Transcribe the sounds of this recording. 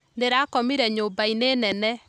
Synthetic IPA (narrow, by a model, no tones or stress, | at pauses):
ndeɾaːkɔmiɾɛɲoːmbaineːnɛnɛ